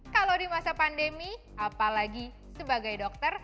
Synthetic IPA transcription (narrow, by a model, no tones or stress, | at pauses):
kalowdimasapandemi | ʔapalaɡi | səbaɡajdɔk̚t̪ər